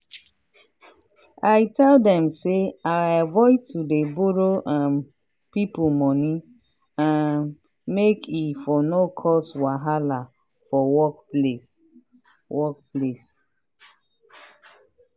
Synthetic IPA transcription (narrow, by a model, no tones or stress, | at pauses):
ajtʰɛldɛ̃mseaavɔɪtʰudebuɹoʔãn | pipumɔni | ãn | mekʰifɔnokʰɔswaɦala | fɔwɔkles | wɔk̚ples